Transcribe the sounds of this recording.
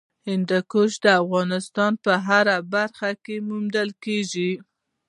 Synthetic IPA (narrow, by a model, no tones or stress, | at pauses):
hɪnd̪akoʃd̪əafɣɑnɪst̪ɑnpəɦaɾabaɾxakemumd̪əlkeʒi